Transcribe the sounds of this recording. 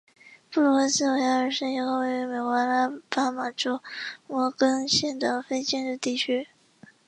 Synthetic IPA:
pu˥˩lɔ˧˥sɹ̩˥o˨˧˩ja˥ə˞˨˩ʂə˥ji˧˩˥xo˥˧we˥˩ɥɛ˧˥˩me˨˩ɪkwa˧˥la˥pa˥ma˨˩ʈ͡ʂo˥ʊwɔ˨˥˩kɤ˥ŋɕjɛ˥˩nʈ͡ʂɑ˨˩ŋfe˥ɪt͡ɕjɛ˥˧nʈ͡ʂɻ̩˥˧t̪i˥˩t͡ɕʰy˥

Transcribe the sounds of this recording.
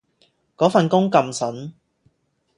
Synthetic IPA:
kɔː˨˥fɐ˨nkʊ˥ŋkɐ˧msɐ˨˥n

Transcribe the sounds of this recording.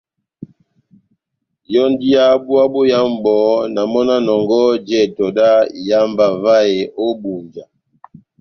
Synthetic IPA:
jɔ˦ndi˦a˦bu˦a˦bo˦ja˦m˦bɔ˨˦na˨mɔ˦na˦nɔ˨ŋɡɔ˦d͡ʒɛ˨tɔ˨da˦ja˦mba˨va˦e˨ʔo˦bu˨nd͡ʒa˨

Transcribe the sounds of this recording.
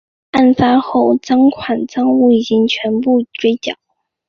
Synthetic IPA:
a˥˩nfa˥xo˥˩ʊʈ͡ʂɑ˥ŋkʰwa˨˩nt͡sɑ˥ŋu˥˩i˨˩t͡ɕi˥ŋt͡ɕʰɥɛ˧˥npu˥˩ʈ͡ʂwe˥ɪt͡ɕjɑ̰˨˩˦ʊ

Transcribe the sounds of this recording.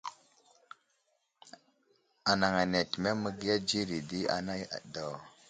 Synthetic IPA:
a˨na˨ŋa˨ne˨tme˦mə˦ɡi˦ja˦d͡ʒi˦ɾi˨di˦a̰˨na˦ja̰˨do˨

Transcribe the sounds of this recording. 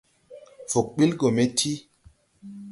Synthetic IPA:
fu˨k̚ɓi˦lɡo˨me˦tʰi˦

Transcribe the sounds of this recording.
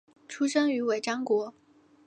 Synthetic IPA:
ʈ͡ʂʰu˥ʂɤ˥ŋy˧˥we˨˩ɪʈ͡ʂɑ˥ŋkwɔ˧˥

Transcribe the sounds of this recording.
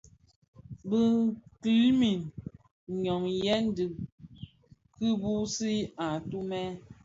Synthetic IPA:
bə˦ki˨lmi˨n | ɲɔ˨ŋjɛ˦n˦di˨ | kɨ˦bu˦si˦a˨tu˦mɛ˦

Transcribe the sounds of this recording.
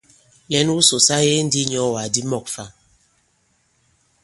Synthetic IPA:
nɛ˨˦n˦u˦so˨sa˦je˦n̩˦di˦ɲɔ˨˦˨wa˨di˦mɔ˦˨k̚fa˦˨

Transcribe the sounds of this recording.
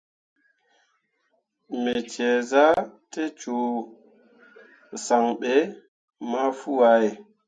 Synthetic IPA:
mɛ˨t͡ʃɛ˨za˦te˦t͡ʃo˨ | sa˨ŋɓɛ˨ | ma˦fu˦wa˨˦je˨

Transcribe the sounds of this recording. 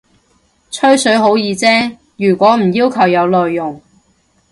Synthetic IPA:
t͡ʃʰɵ˥ɥsɵ˨˥ɥɦo˨˥wjiː˨˧t͡sɛː˥ | jyː˨˩kʷɔː˨˥m̩˨˩jiː˥wkʰɐ˨˩wjɐ˨˧wlɔː˨jːʊ˨˩ŋ

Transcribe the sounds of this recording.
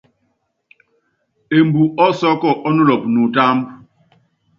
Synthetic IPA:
e˨mbu˨ʔɔ˦sɔ˦kɔ˦˨ʔɔ˦nu˦lɔ˨p̚nu˨ta˦mb

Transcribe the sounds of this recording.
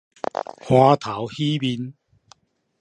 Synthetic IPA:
hwaː˧t̪ʰa˨˥˦whiː˦˥piː˧n

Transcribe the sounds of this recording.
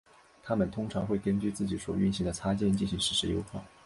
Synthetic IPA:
t̪ʰa˥mə˨nt̪ʰʊ˥ŋʈ͡ʂʰɑ˧˥ŋxwe˥˩ɪkə˥nt͡ɕy˥˧t͡sɹ̩˥˩t͡ɕi˨˥swɔ̰˨˩y˥˩nɕi˧˥ŋd̪ə˨t͡sʰa˥t͡ɕjɛ˥˧nt͡ɕi˥˩nɕi˧˥ŋʂɻ̩˧˥ʂɻ̩˧˥jo˧˥ʊxwa˥˩

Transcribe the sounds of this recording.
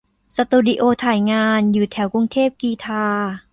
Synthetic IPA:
sa˧t̪uː˧di˧ʔoː˧t̪ʰaː˨˩˦jŋaː˧njuː˨˩t̪ʰɛː˩˦wkɾu˧ŋt̪ʰeː˥˩p̚kiː˧t̪ʰaː˧

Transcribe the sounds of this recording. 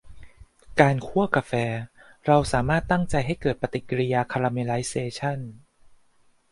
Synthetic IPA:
kaː˧nkʰu˥˩ɐka˧fɛː˧ɾa˧wsaː˩˦maː˥˩t̪ːa˥˩ŋt͡ɕa˧jɦa˥˩jkɤː˨˩t̪̚pa˧t̪i˨˩kːɾi˧jaː˧kʰa˧ɾaː˧meː˧la˦˥jseː˧t͡ɕʰa˥˩n

